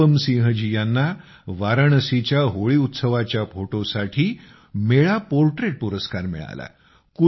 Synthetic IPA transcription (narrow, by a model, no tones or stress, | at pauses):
əmsĩɦəd͡ʑijanːa | ʋaɾəɳəsit͡ɕjaɦoɭiːut̪səʋat͡ɕjafoʈosaʈʰiː | meɭapoɾʈɾeʈ̚puɾəskaɾmḭɭa̰la̰ | ku